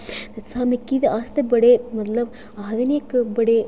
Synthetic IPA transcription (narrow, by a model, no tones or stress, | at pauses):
t̪ɐsaːmekːid̪ʔaːst̪ɐbɐɽemɐt̪lɐb | aɦd̪ɐnjɐkbɐɽe